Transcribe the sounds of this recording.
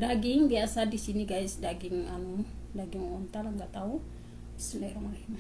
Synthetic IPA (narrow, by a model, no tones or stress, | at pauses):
daɡiŋbiasadisiniɡajsdaɡiŋanu | daɡiŋɔnt̪alaŋɡaʔt̪au | isunɛɾamalama